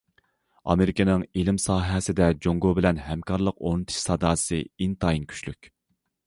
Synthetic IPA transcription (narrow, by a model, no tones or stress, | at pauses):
ɑ̰meɾɪkʲenɪŋelɪmsɑːɦɛsɪd̪ɛd͡ʒoŋɡobɪlɛnɦɛmkʰɑɾlˠəqonɨt̪ʰɨ̥ʃsɑd̪ɑːsɨint̪ʰɑinkʲʰy̥ʃlykʲ